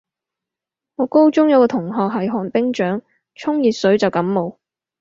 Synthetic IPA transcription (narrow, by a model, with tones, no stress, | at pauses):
ŋɔː˨˧ko˥wt͡sʊ˥ŋjɐ˨˧wkɔː˧t̪ʰʊ˨˩ŋɦɔː˨k̚ɦɐ˨jɦɔː˨˩npɪ˥ŋt͡ʃœː˨˥ŋ | t͡sʰʊ˥ŋjiː˨t̚sɵ˨˥ɥt͡sɐ˨wkɐ˨˥mːo˨w